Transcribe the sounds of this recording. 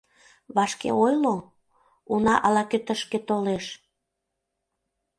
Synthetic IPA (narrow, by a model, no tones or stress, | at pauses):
βɑʃkḛojlo | unɑʔɑlɑkøt̪əʃket̪oleʃ